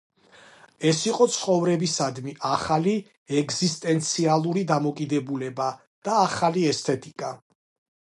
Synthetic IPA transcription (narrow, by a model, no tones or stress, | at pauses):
ɛsiqʼɔt̪sʰχɔvɾɛbisad̪miʔaχali | ɛɡzist̪ʼɛnt̪sʰialˠuɾid̪amɔkʼid̪ɛbulɛba | d̪̥aːχaliɛst̪ʰɛt̪ʼikʼa